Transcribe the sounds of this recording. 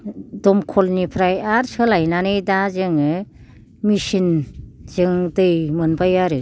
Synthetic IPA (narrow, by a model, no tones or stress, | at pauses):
dɔmkʰɔlnipʰɾajaɾsɯlajnanɯjdazɯŋɯ | misinzɯŋdɯjmɯnbajaɾɯ